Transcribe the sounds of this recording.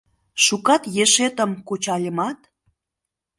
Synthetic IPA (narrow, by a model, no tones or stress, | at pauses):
ʃukɑt̪jeʃet̪ə̆mkut͡ɕɑlʲəmɑt̪